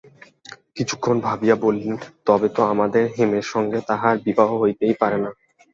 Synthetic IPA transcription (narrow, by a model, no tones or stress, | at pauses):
kit͡ɕʰu̥kʰːonbʱabijabolːent̪ɔbet̪oamad̪eɾɦemeɾʃɔŋɡet̪aɦaɾbibaɦoɦojt̪ejpaɾena